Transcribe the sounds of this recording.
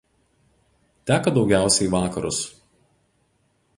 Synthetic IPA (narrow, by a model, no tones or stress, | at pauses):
t̪ʲæːkɐd̪ɒʊɡʲæˑʊsʲɛɪʋɑːkɐɾʊ̰s